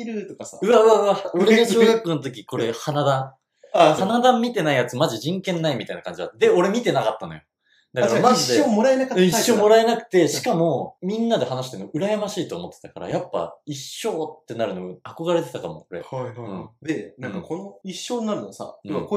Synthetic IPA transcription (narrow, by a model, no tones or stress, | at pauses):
iɾɯ̟t̪okasaɯ̟aɯ̟aɯaoɾeɡaɕoɡakːonot̪o̞k̬ʲiko̞ɾehanad̪ã | anad̪ãmmʲːit̪e̞naijat͡sɨmaʑiʑĩŋkẽ̞nːaimʲit̪ainakãɲ̟d͡ʑia̰t̪ːd̪e̞o̞ɾe̞mʲit̪e̞nakat̪ːano̞jo | d̪akaamazid̪eomoɾaenakat̪ːiɕːo̞ːmo̞ɾae̞nakɯ̟̥t̪e̞ɕi̥kamo̞mʲĩnːad̪e̞hanaɕ̬i̥t̪e̞mo̞ʔɯ̟ɾajamaɕiːt̪oːmo̞t̪ːe̥t̪akaɾa̰japːa̰iɕːo̞ːt̪ːe̞naɾɯ̟no̞ako̞ɡaɾe̞t̪e̞t̪akamo̞̰oɾe̞̰haiɯ̟̃d̪enãkakonoiɕːoːɲnaɾɯ̟nosã̰ko